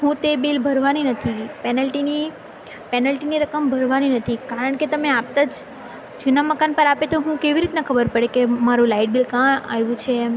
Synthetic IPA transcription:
ɦũt̪ebilbʱəɾʋaninət̪ʰipɛnəlʈini | pɛnəlʈiniɾəkəmbʱəɾʋaninət̪ʰikaɾəɳket̪əmeap̚t̪ad͡ʒ | d͡ʒunaməkanpəɾapet̪oɦũkeʋiɾit̪nakʰəbəɾpəɽekemaɾũlaiʈ̚bilkãaʋjũt͡ʃʰe

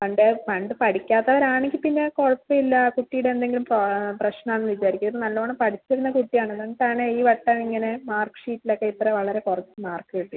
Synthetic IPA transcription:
ɐɳɖepɐɳɖɨpɐʈʰikʲːaːt̪ːɐʋɐɾaːɳeŋɡʲilpinːe̞korɐt͡ɕːumilːɐkuʈːijuɽeend̪e̞ŋɡilumproprɐɕnɐmenːɨʋit͡ɕːaːɾikʲːunɐðɨnɐlːɐʋɐɳɨmpɐʈʰit͡ɕːiɾunːɐkuʈːijaːɳenɐnːʈ̪ːaːɳɨiːʋɐʈːɐmiŋːɐne̞maːrkɨ̥ʂiːtːilokːeit̪ːɾeʋɐɭɐɾe̞kurɐt͡ɕːɨmaːrkːɨʋiʈːi

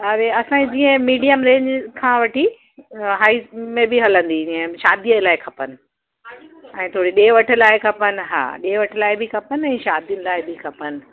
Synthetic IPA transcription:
ɐɾeɐsãːid͡ʑiːə̃miːɖijəmɾẽːɲd͡ʑkʰãːʋɐʈʰi | ɦaːimẽbɪɦɐlə̃nd̪id͡ʑĩːə̃ʃaːd̪iəlaːɪkʰɐpənɪ̆ | ɛ̃ːt̪ʰoːɽiɗeːʋɐʈʰɪ̆laːɪkʰɐpənɪ̆ɦa̰ːɗeːʋɐʈʰɪ̆laːɪbɪkʰɐpənɪɛ̃ːʃaːd̪ijʊnɪ̆laːɪbɪkʰɐpənɪ̆

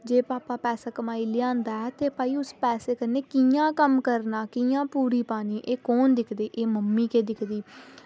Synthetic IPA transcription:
d͡ʒeːpaːpaːpɛːsaːkəmaːiːlɪãːnd̪aːɛːt̪eːpaːiːʊspɛːseːkəɾneːkijãːkəmkəɾnaːkijãːpuːɾiːpaːniːʔeːkoːnd̪ɪkʰd̪eːʔeːməmːiːkeːd̪ɪkʰd̪iː

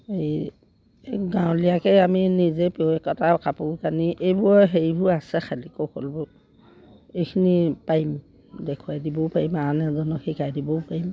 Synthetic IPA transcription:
ej | ɡãw̃liakɛaminizɛpewɛkɔtakapukaniʔejbuɔɦeɹibʱuasɛxʰalikɔkolbɔ | ejkʰinipaim | dɛkʰuwajdibɔpaɹimanɛzɔnɔkxikajdibɔpaim

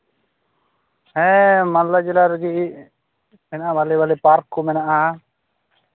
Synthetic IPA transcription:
ɛmanlad͡ʒɛlaɾɡiʔiʔ | mɛnaʔabalɛbalɛpaɾkumɛnaʔa

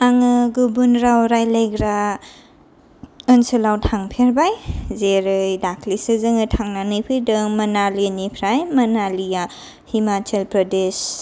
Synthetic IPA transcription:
aŋɯɡubunɾawɾajlajɡɾa | ɯnsɯlawtʰaŋpʰeɾbajzeɾɯjdakʰlisɯzɯŋɯtʰaŋnanɯpʰɯdɯŋmɐnalinipʰɾajmɐnalija | himatʰelpɾɔdes

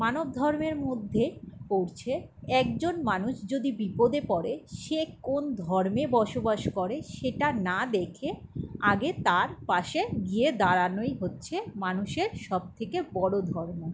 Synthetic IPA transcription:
manob̚d̪ʱɔɾmeɾmod̪ʱːepoɾt͡ɕʰeɛk̚d͡ʑonmanuʃd͡ʑod̪ibipod̪epɔɾeʃekond̪ʱɔɾmebɔʃobaʃkɔɾeʃeʈanad̪ekʰeaɡet̪aɾpaʃeɡied̪aɾanojɦotːɕʰemanuʃeɾʃɔb̚t̪ʰekebɔɽod̪ʱɔɾmo

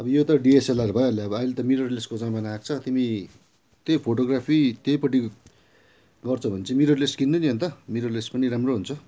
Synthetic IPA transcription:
ʌbʌjot̪ʌɖieselaɾbʱʌjoʌleʌbʌːjlet̪ʌmiɾorleskod͡zãmanaak̚t͡sʰʌt̪imi | t̪jejpʰoʈoɡrapʰit̪jʌjpʌʈ̬i | ɡʌrt͡sʰʌbʱʌnet͡sʰimiɾorleskinːʌniɦont̪ʌmiɾorlespʌniɾamroɦunt͡sʰʌ

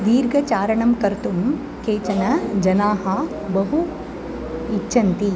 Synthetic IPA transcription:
d̪iːɾɡʱɐt͡ʃaːɾɐɳɐmkɐɾt̪um | keːt͡ʃɐnɐd͡ʒɐnaːɦɐ | bɐɦu | iːʃʰɐnt̪i

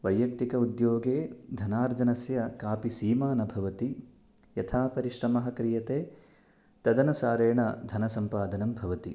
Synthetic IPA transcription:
ʋɐjːɐk̚t̪ikɐud̪joːɡeːd̪ʱɐnaːɾd͡ʒɐnɐsjɐkaːpisiːmaːnɐbʱɐʋɐt̪i | jɐt̪ʰaːpɐɾiʃɾɐmɐɦɐkɾijɐt̪eː | t̪ɐd̪ɐnɐsaːɾeːɳɐd̪ʱɐnɐsɐmpaːd̪ɐnɐmbʱɐʋɐt̪i

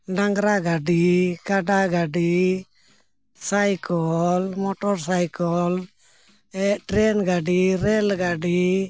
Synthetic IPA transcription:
ɖaŋɡɾaɡaɖikaɖaɡaɖi | sajkɔlmɔʈɔɾsajkɔl | ɛʈɾɛnɡaɖiɾɛlɡaɖi

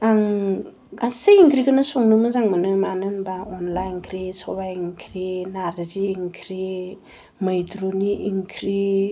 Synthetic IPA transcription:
aŋ | ɡaseiŋkʰɾiɡɯnɯsoŋnɯmɯzaŋmɯnɯmanɯnbaɔnlajnkʰɾisɔbajnkʰɾinaɾziːŋkʰɾi | mɯjdɾuniʔːŋkʰɾi

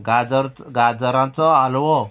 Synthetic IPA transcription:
ɡad͡zɾɡad͡zəɾãnt͡sɔalʋɔ

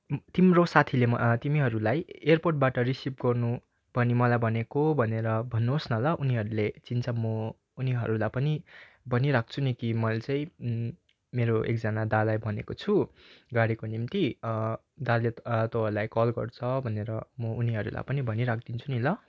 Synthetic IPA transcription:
t̪imrosat̪ʰilemʌt̪imiɦʌɾulajerporʈ̚baʈʌrisip̚ɡʌrnu | bʱʌnimʌlajbʱʌnekobʱʌneɾʌbʱʌnːusnʌlʌʔuniɦʌɾulet͡sint͡sʰʌmʌ | uniɦʌɾulapʌni | bʱʌniɾak̚ʰt͡sʰunikimʌlt͡sʌĩ | meɾoḛk̚d͡zanad̪alajbʱʌnekot͡sʰuɡaɽikonimt̪i | d̪alːet̪oɦʌɾulajkʌlɡʌ̰rt͡sʰʌbʱʌneɾʌmʌuniɦʌɾula̰pʌnibʱʌniɾak̚ʰd̪int͡sʰunilʌ

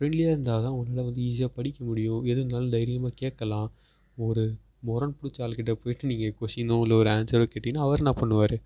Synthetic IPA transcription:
fɾɛɳɖlɪjaːɪɾɯnd̪aːðãːʊŋɡɐnaːlɐʋɐnd̪ɯiːs̬ɪjaːpɐɽɪkːɐmʊɽɪjʊ̃ɛðɯnaːlɯ̃d̪ɐjɪɾɪjɐmaːkeːʈkːɐlãː | ɔɾɯ | mɔɾɐnpʊɽɪt͡ʃːaːlkɪʈːɐpoːjɪʈːɯniːŋɡɐkoːsɪnd̪õɪlːɐɔɾɯaːnsɐɾokeːʈːɪnːaːɐʋɐɾnãːpɐɳːɯʋaːɾɯ

